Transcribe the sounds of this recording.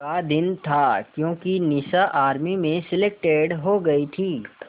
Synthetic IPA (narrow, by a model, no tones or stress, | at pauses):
kad̪ɪnt̪ʰaːkjõːkinɪsaʔaːɾmimẽsɪlek̚ʈeːɖɦoɡɐit̪ʰiː